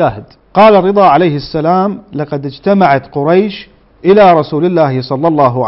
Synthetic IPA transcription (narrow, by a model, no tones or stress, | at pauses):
aːhɪd̪ | qɑːlarˤːɨd̪ˤɑːʕalajhɪsːalaːmlɑqɑd̪ɪd͡ʒt̪amaʕat̪qʊɾˤɑjʃ | ʔɪlaɾˤɑsuːlɪlːaːhɪsˤɑlːɑlˤːɑːɦʊʕ